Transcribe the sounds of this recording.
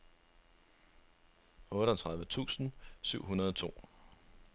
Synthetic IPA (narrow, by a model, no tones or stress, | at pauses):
ɔ̽ːɾəɒt͡sʰʁɑ̈ð̞ˠʋət͡sʰṵːsn̩syʊ̰ɦunɐðˠɒ̽t͡sʰo̝̰ː